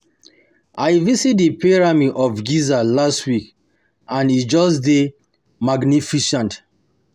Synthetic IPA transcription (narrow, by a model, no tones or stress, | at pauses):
ʔajvisit̚dipiɹamiʔɔfɡizalastwik | ãnid͡ʒɔsde | maɡnifiʃãnt